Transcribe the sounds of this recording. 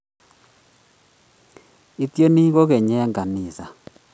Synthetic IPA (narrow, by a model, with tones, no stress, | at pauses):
i˦tjo˦ni˦ɣo˦ɣɛ˨ɲɛ˦ŋɡa˨ni˨sa˨